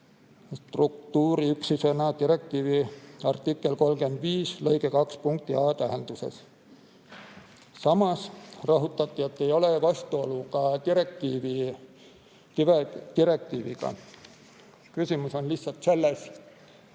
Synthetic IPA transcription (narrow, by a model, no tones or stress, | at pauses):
st̪ruk̚t̪uːɾiyksisenɑt̪iɾe̞k̚t̪iːviɑrt̪ikːˑe̞lko̞lɡe̞nd̪̥viːslɤ̞jɡe̞kɑkspuŋk̚t̪iɑːt̪æɦend̪̥use̞̰s | sɑmɑsrɑɦut̪ːˑɑt̪ˑːie̞t̪ːe̞jo̞le̞vɑst̪uo̞lːukɑt̪iɾek̚t̪iːvi | et̪iɾe̞k̚t̪iːviɡ̥ɑ̰ | kysʲimuso̞nlisːɑlt̪se̞lːes